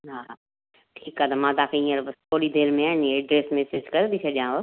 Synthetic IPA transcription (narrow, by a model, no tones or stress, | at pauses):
ɦaː | ʈʰiːkaːt̪ɐmãːd̪aːkʰeĩeɾbɐst̪ʰoːɽid̪eːɾmẽaːnĩɖɾeːsmeːsed͡ʒkɐɾb̪ʱit͡ʃʰɐɗãːo